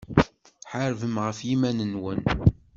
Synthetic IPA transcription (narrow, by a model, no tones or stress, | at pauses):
ħəɾvəmʁəfjimænənwən